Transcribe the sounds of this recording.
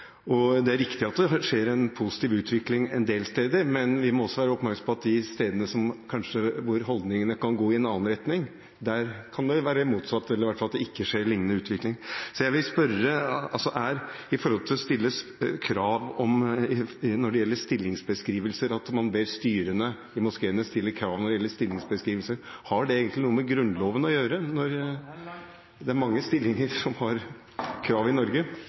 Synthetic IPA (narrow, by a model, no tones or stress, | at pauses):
ɔd̪ɛæɾɪkt̪ɪɑt̪̚d̪ɛʂeːɾɛnpʰʊsɪ̥t̪ʰiːʋʉːt̪ʰʋɪklɪŋɛ̰nd̪eːlst̪eːd̪əɾmɛnʋɪmɔɔsːɔʋæːɾəɔpmæɾksɑmpʰɔɑt̪̚d̪ɪst̪eːd̪ənəsɔmkʰɑnʂəʋʊɾɦɔld̪nɪŋənəkɑnɡoːɪɛnɑːənɾɛt̪nɪŋ | d̪æɾkʰɑnd̪ɛʋæːɾəmuːt̪sɑt̪ːɛləɾɪʋæʈ̪ːfɑlɑt̪d̪ɛɪkːəʂeːɾɭɪŋːənəʉːt̪ʰʋɪklɪŋsɔjæɪʋɪlspœɾəɑlsɔʔæɾ | ɪfɔɾhɔlt̪ʰɪlɔst̪ɪlːəkʰɾɑːʋɔmɪnɔɖɛjɛlːəɾst̪ɪlːɪŋsbəskɾiːʋəlsəɾɑt̪mɑnbeːɾst̪yːɾənə | ɪmʊskeːənəst̪ɪlːəɾkʰɾɑːʋnɔɖɛjɛlːəst̪ɪlːɪŋsbəskɾiːʋəlsəɾhɑɖɛeːɡənt̪lɪnuːəmɛɡɾʉnloːʋənəɔjøːɾənɔɾ | d̪ɛæɾmɑŋːəst̪ɪlːɪŋəɾsɔmhɑɾ | kʰɾɑːʋɪnɔɾɡə